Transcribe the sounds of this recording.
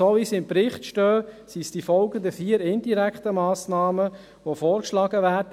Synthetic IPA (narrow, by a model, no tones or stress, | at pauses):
oʋisɪmpɾɪχtʃtœːsisd̥ifɔlɡənd̪əfiːəɾɪndiɾɛkt̪əmɑːsnɑːmə | ʋofɔːɾkʃlɑːɡ̥əʋæːɾd